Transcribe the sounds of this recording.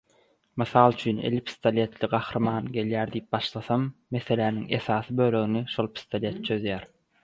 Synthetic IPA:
mɯθɑlˠt͡ʃʰyːnḛlʲipʰi̥st̪olʲe̞t̪ʰliɡɑxɾɯmɑːnɡe̞ljæːɾd̪ijp̚bɑʃlˠɑθɑmːe̞θe̞læːniŋe̞sɑːθɯbøːlø̞ɣiniʃolˠpʰi̥st̪olʲe̞t̪̚t͡ʃʰø̞ðjæːɾ

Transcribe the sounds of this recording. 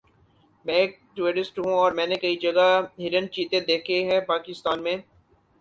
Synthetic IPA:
mɛ̃eːk̚ | ʈueɾɪsʈɦũɔːɾmɛ̃ːnekɐid͡ʒɐɡaɦɪɾənt͡ʃiːt̪ẽd̪eːkʰeɦɛ̃paːkɪst̪aːnmẽː

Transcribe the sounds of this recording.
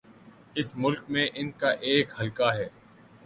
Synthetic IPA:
ɪsmʊlkmẽʔɪnkaʔeːkhɐlkaɦɛː

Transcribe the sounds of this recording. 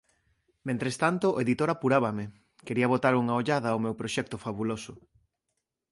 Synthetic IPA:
mẽnt̪ɾest̪ant̪ʊoeðit̪oɾapuɾaβɐmɪ | keɾiɐβ̞ot̪aɾuŋɐoʎaðɐwmewpɾoʃɛk̚t̪ʊfaβulosʊ

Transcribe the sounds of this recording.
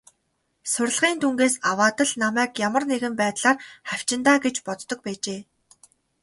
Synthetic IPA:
sʊrʲɮʁiːnt̪ʰuŋɡeːsawaːt̪ə̆ɮnamæːkjamə̆rneɣɘ̆mpæːt̪ɮaːrχæw̥t͡ɕɪ̆nt̪aːɡet͡ɕpɔt͡s̪ːɞ̆k̚pæːt͡ɕeː

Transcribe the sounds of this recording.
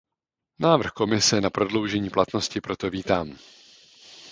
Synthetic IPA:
naːvr̩xko̞mɪsɛnapɾo̞dlo̞wʒɛɲiːplat̪no̞scɪpɾo̞t̪o̞viːt̪aːm

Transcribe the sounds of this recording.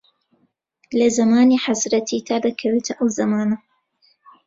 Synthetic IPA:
lɐzɐmaːniːħazɾɐt̪ʰiːt̪ʰaːd̪ɐkʰɐweːt̪ʰɐʔɐwzɐmaːnɐ

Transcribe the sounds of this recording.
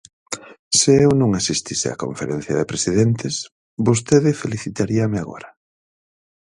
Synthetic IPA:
sɪewnõŋasist̪isɪa̰ko̰ɱfeɾen̟θjɐðɪpɾesiðent̪ɪs | bost̪eðɪfeliθit̪aɾiɐmɪaɣo̰ɾɐ

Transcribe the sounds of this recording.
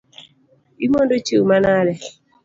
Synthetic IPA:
imondot͡ʃeumanaɾɛ

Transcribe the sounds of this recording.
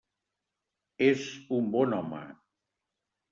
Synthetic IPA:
ezumbɔnɔmə̰

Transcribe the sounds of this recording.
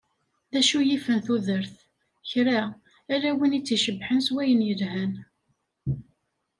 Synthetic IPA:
ðæʃujifənθuðəɾθ | çɾaː | læwinit͡sːiʃəbħənswæjənjəlhæn

